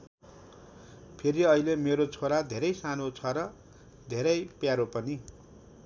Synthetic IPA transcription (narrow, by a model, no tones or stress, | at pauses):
pʰeɾiʌilemeɾot͡sʰoɾad̪ʱeɾʌjsanot͡sʰʌɾʌ | d̪ʱeɾʌjpjaɾopʌni